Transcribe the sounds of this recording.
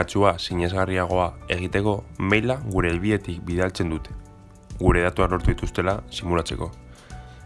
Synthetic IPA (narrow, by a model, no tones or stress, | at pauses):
at͡suasiɲe̞zɣariaɣ̞o̞ae̞ɣ̞it̪e̞ko̞mejlaɣuɾe̞ːlβiðe̞t̪ik̚biðealt͡se̞nd̪ut̪e̞̥ | ɣuɾe̞ð̞at̪uaklo̞ɾt̪uðit̪ust̪e̞lasimulat͡se̞̰ko̞